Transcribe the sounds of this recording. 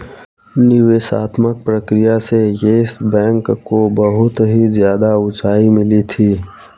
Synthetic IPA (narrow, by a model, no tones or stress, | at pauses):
nɪʋeːʃa̰ːt̪mək̚pɾəkɾijasejeɪsbɛ̃ːŋkkːobəɦʊt̪ɦizjaːd̪aʊt͡ʃaːimɪlit̪ʰiː